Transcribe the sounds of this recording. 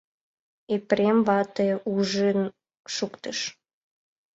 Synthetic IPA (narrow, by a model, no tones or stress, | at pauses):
epɾemβɑt̪euʒen | ʃukt̪əʃ